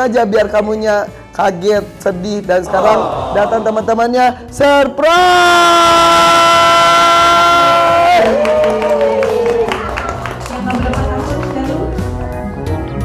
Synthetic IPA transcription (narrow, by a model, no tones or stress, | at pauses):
ad͡ʒabiarkamuɲa | kaɡɛt̪̚sədɪhdansə̥kaɾaŋdat̪aŋt̪əmant̪əmanɲa | sərpɾa | aa